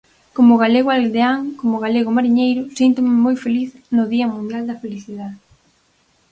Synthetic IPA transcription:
komʊɣaleɣoald̪eaŋkomoɣaleɣʊmaɾiɲejɾʊsint̪ʊmɪmojfeliθnʊðiɐmũnd̪jald̪ɐfeliθiðaðe

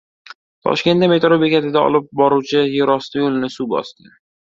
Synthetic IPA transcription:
t̪ʰɒ̰ʃkʲent̪d̪ame̞t̪ɾobe̞kʲat̪ʰɪd̪aɒ̰lɪp̚bɒɾuwt͡ʃʰɪjoɾɒst̪ajolɪnɪsubɒ̰st̪ɪ

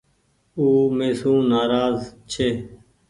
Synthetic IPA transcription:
uːmeːsũːnaːɾaːzt͡ʃʰeː

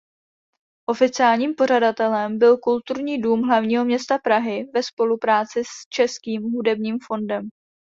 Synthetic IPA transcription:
ʔo̞fɪt͡sɪaːlɲiːmpo̞r̝adat̪ɛlɛmbɪlkult̪uɾɲiːduːmɦlavɲiːɦo̞mɲɛst̪apɾaɦɪvɛspo̞lupɾaːt͡sɪst͡ʃɛskiːmɦudɛbɲiːmfo̞ndɛm

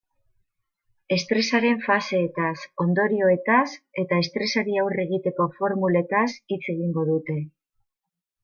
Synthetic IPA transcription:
e̞st̪ɾe̞saɾe̞ɱfase̞ːt̪aso̞nd̪o̞ɾio̞e̞t̪ase̞t̪ae̞st̪ɾe̞saɾiawre̞ɣit̪e̞ko̞fo̞ɾmule̞t̪asit͡se̞ɣ̞iŋɡo̞ðut̪e̞

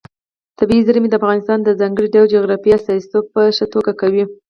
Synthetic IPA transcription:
t̪abiizaɾmed̪əafɣɑnɪst̪ɑnd̪əzɑŋɡəɽiɖawd͡ʒoɣɾɑfiasɑsit̪ob̚pəʃət̪oɡakawi

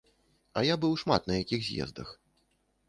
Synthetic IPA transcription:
ɐjabɨwʂma̰t̪nɐjakʲixzʲjɛ̰zd̪ɐ̰x

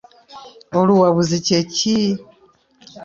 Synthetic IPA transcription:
oluwaβuziceci

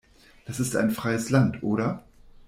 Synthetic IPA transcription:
d̥asɪsta̰ɪnfʁ̥aɪəslantʔoːɾɐ

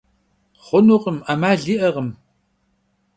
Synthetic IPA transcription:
χʷʊnuqəmamaːɮiːʔɐʁəm

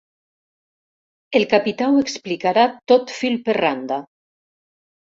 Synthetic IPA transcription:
elkapit̪aweksplikaɾat̪ot̪filperand̪a

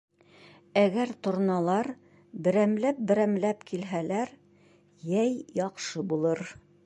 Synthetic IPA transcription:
æɡæɾt̪ŏɾnɑlˠɑɾ | bɘ̆ɾæmlæp̚bɘ̆ɾæmlæpkʰilɦælæɾ | jæjjɑqʃɤbulˠɤɾ

